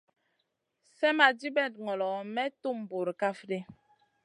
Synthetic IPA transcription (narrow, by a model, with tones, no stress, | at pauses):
sɛ˦ma˨di˦bɛ˦˨t̚ŋɔ˨lɔ˨mɛ˦tu˦m˨bu˨ɾka˦fde˦